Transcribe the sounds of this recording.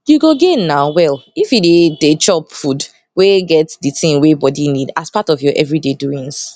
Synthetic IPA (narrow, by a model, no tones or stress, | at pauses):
juɡoɡenaʊwɛlifjudedet͡ʃɔpfud | weɡɛtditĩmwebɔdinidaspatɔfjɔʔɛvɹideduĩŋs